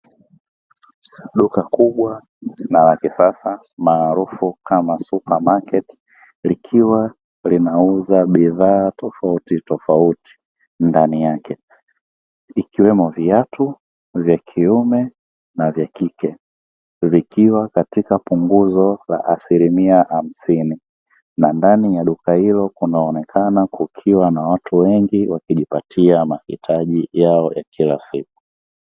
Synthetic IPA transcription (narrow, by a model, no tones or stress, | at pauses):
ɗukakuɓwa | nalakisasa | maːɾufukamasupamakɛt | likʰiwa | linauzaɓiðaːtʰɔfautitɔfauti̥ | ndanijakʰɛ | ikiwɛmɔviatʰu | vjakʰiumɛ | navjakikɛ | vikiwakatikapuŋɡuzɔla̰ʔasilimiaham̩sini | nandanijaɗukahilɔkunaːnɛkʰanakukʰiwanawatʰuwɛŋɡiwakiʄipatʰiamahitʰaʄijaɔja̰kila̰sik̚u̥